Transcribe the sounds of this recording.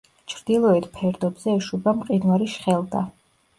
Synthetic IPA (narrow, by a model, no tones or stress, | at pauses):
t͡ʃʰɾd̪ilˠɔɛt̪ʰpʰɛɾd̪ɔbzɛːʃubamqʼinwaɾiʃχɛlˠd̪a